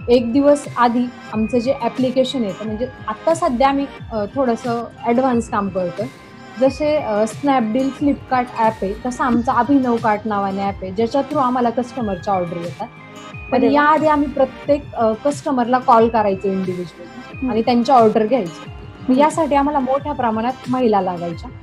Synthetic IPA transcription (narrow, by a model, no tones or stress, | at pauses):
ek̚d̪iʋəsad̪ʱiː | amt͡səd͡ʑeʔæplikeɕənjet̪əm̤əɳd͡zeat̪ːasad̪ʱjaamiːt̪ʰoɽəsəɛɽʋ̤anskamkəɾt̪ə | d͡zəseəsnɛp̚ɖiːlflipkaɾʈɛpek̪əsaamt͡saəbʱinəʋkaʈnaʋanaɛped͡ʑat͡ɕat̪ʰɾoamalakəsʈəməɾt͡ɕaɔɾɖəɾjet̪at̪ | pəɳjaːd̪ʱeamiːpɾət̪jekkəsʈəməɾlakɔlkəɾajt͡səiɳɖiʋid͡ʑuəlaɽ̃it̪jaɲt͡ɕaɔɾɖəɾɡʱjajt͡sə | məjasaʈiːam̤alamoʈʰjapɾəmaɽ̃at̪məɦilalaɡajt͡ɕa